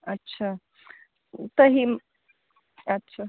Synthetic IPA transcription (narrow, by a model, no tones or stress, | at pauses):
ətːɕʰa | t̪əɦim | ɐtːɕʰa